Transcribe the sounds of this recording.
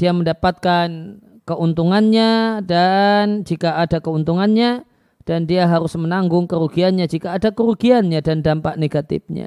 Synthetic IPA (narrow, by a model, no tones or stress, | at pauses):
d̥iaməndapat̪̚kan | kəʔunt̪uŋanɲadand͡ʒikaːdakəunt̪uŋanɲa | d̥andiaɦaɾʊsmənaŋɡʊŋkəɾuɡianɲad͡ʒikaːdakəɾuɡianɲadandampaʔneɡat̪ɪ̰f̚ɲa̰